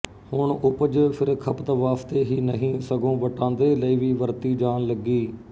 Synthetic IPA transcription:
hʊɳʊpəd͡ʒpʰɪɾkʰəpt̪əʋaːst̪eːɦiːnəɦĩːsəɡõːʋəʈãːnd̪eːləiːʋiːʋəɾt̪iːd͡ʒaːnləɡiː

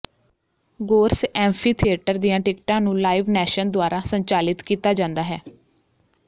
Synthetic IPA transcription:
ɡoːɾsɛ̃ːmpʰiːt̪ʰieʈəɾd̪ijãːʈɪkʈãːnũːlaːiʋnɛːʃənd̪ʊaːɾaːsəɲt͡ʃaːlɪt̪kiːt̪aːd͡ʒãːnd̪aːɦɛː

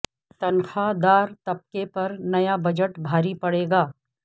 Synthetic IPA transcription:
t̪ɐnxad̪aːɾt̪ɐp̚kepɐɾnɐjabɐd͡ʒəʈbʱaːɾipɐɽeːɡaː

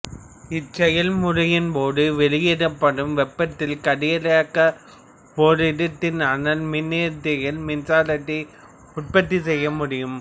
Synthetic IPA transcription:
ɪt͡ʃɛjɐlmʊɾɐjɪnpoːðɯʋɛɭɪjeːɽɐpːɐɽɯmʋɛpːɐt̪ːɪlkɐɽɪjɐlakːɐ | poːɾɪɽɐt̪ːɪnɐnɐlmɪnːeːɾt̪ːɪɣɐlmɪnsaːlɐʈːi | ʊʈ̚pɐt̪ːisɛjːɐmʊɽɪjɯm

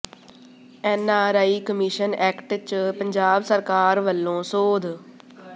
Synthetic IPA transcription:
ɛːnaːɾaːiːkəmiʃənɛːkʈt͡ʃpəɲd͡ʒaːbsəɾkaːɾʋəlːõːsoːd̪

